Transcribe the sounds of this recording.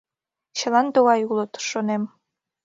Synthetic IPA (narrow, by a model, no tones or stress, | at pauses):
ɕɤ̆lˠɑnd̪owɑjulˠot̪ʃonem